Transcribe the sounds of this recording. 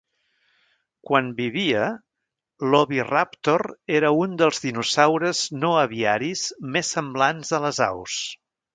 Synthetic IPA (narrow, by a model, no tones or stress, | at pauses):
kwanbiβiə | lɔβirapt̪oreɾəund̪əlˠzðinusawɾəznoəβiaɾiz̥mesːəmblanzðələza̰ws